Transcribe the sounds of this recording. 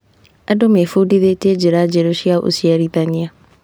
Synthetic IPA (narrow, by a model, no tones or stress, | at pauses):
ɛdomefudiðeted͡ʒeɾad͡ʒeɾoʃiaoʔo̰siɛɾit̪aɲɪa